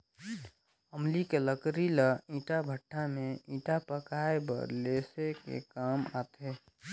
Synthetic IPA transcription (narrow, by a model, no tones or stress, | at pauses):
əmlikeləkɾiləĩːʈabʱəʈʰːameĩːʈapəkaebə̰ɾlesekḛkama̰t̪ʰe